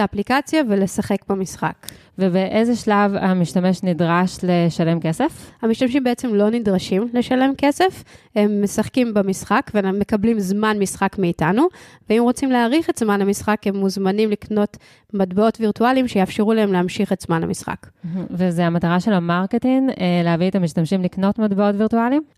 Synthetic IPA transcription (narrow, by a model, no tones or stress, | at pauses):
aplikat͡sjavelesaχe̞kbamisχa̰k | vebeʔezeʃlavamiʃtame̞ʃnidʁaʃleʃale̞mke̞sefhamiʃtamʃ̬imbeet͡se̞mlo̞nidʁaʃimle̞ʃale̞mke̞se̞fhemːesaχkimbamisχakveme̞kablimzmanmisχakmeitanuveimʁo̞t͡simleaʁiχe̞tzmanhamisχakhe̞mːuzmanimlikno̞t | madbeo̞tviʁtualimʃejaafʃeʁulahe̞mleamʃiχetzmanha̰misχa̰kvezeamataʁaʃelamaʁketiŋeleaviet̪amiʃtamʃimlikno̞tmadbeotviʁtualim